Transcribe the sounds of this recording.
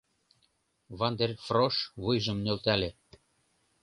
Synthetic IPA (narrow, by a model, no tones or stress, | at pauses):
βɑnd̪erfroʃβujʒɤ̆mnølt̪æle